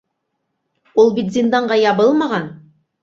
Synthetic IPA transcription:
ulˠbit̪zʲind̪ɑɴɢɑjɑβɤlˠmɑʁɑn

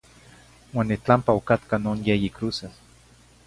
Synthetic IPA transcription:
waːnːit͡ɬampaokat̪kanoːnjejikɾuːsas

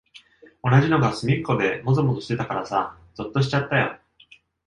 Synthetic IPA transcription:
o̞naʑino̞ɡasɨmʲikːo̞d̪e̞mo̞zomo̞zo̞ɕi̥t̪e̞t̪akaɾasa̰ | z̥ɨt̪ːo̞ɕ̬i̥t͡ɕat̪ːajo̰

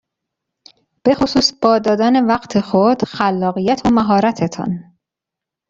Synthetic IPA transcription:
b̥e̞xosuːsb̥ɒːd̪ɒːd̪æːne̞væɢt̪ʰe̞xod̪̥xælːɒːɣijæt̪ʰomæɦɒːɾæt̪ʰet̪ʰɒ̰n

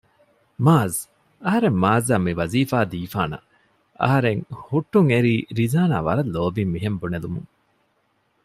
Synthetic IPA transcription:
maːz | ɐɦɐɾemːaːzaːmiʋɐziːfaːd̪iːfaːnɐ̰ | ɐ̰ɦɐɾeŋhuʈːuŋeɾiːɾizaːna̰ːʋɐɾɐlːoːbimːiɦembunelumṵŋ

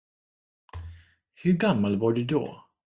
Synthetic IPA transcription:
hɵɡamːalvaɖɵd̪ɔ̰

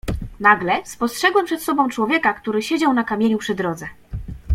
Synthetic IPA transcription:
naɡlɛspɔstʂɛɡwɛmpʂɛt̪sɔbɔ̃w̃t͡ʂwɔvʲjɛkakt̪uɾɘɕed͡ʑawnakamʲjeɲupʂɘd̪ɾɔd̪zɛ

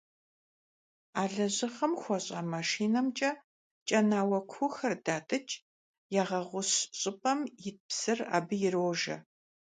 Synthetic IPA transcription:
aːɮɐʑɨχɐmxʷɔɕʼɐmaʂiːnɐmt͡ʃʼɐ | t͡ʃʼɐnaːwɐkʷʰʊxɐrdaːtʼɨt͡ʃʼ | jaːʁɐʁʷʊɕɕʼɪpʼɐmjɪt̚psɨra̰ːbɨjɪroːʒɐ̰

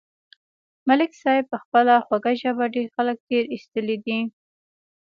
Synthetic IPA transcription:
malɪksɑjpəxpəlaxwaɡaʒabaɖexalək̚t̪eɾist̪əlid̪i

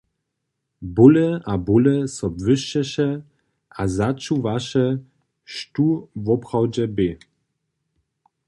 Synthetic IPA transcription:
bulɛabulɛsɔbvɘʃt͡ɕɛʃɛ | azat͡ʃuvaʃɛ | ʃtuvɔpχawd͡ʑɛbe

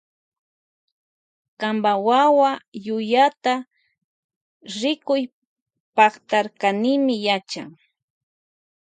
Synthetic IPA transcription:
kambawawajʊjat̪a | ɾɪkʊj | pɑχt̪aɾkanɪmɪjat͡ʃaŋ

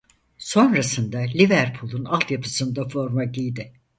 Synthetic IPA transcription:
so̞nɾasɯnd̪alʲivæɾpʰulˠunalˠt̪japʰɯsɯnd̪afo̞ɾmaɟijd̪ɪ

